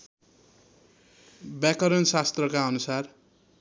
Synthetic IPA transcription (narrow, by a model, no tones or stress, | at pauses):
bjakʌɾʌnsast̪rʌkaʌnusar